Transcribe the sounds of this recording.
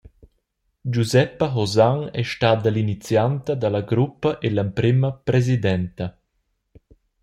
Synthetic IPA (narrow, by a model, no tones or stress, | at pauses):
d͡ʒuzɛpəɦozaŋɛ̰ʃtad̪alinit͡sjant̪ɐd̪alaɡɾupːɐʔelampɾiməpɾezid̪ɛnt̪ɐ